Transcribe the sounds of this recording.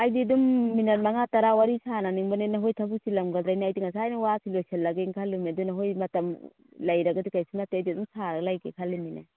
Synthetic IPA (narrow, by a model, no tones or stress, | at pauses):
ajdidumːinat̚maŋataɾawaɾisananiŋbanenɐɦojtʰabusilamɡad̪ɾajnajdiŋasaːjnawasilosalːaɡeŋkʰalumiadunaɦojmɐtɐm | lajɾɐɡadikajsunateajdidumsaɾaɡlajkekʰalimina̰